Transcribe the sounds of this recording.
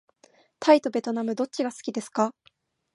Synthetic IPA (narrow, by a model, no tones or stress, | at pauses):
t̪ʰait̪o̞be̞t̪o̞namɯ̟d̪o̞t͡ɕiɡasɨ̥kʲid̪e̞sɨ̥ka